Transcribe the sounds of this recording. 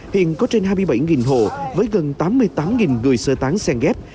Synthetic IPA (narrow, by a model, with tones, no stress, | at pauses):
hḭ˧˨ənkɔ˨˦t͡ɕe˧nhaː˧jmɨ˧jɓa˧˩jŋi˨˩nɦo̰˧˨vəː˨˦jɣə˨˩nt̪aː˨˦mːɨ˧əjt̪aː˨˦mŋi˨˩nŋɨ˨˩əjsəː˧t̪aː˨˦ŋsɛ˧ŋɣɛ˦˥p̚